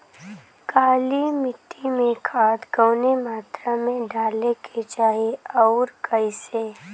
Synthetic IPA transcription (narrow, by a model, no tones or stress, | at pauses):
kaːlimɪʈːimẽkʰaːt̪ɡəʊnemaːt̪ɾamẽɖaːlekʰet͡ʃaːɦeɔːɾkʰəiseː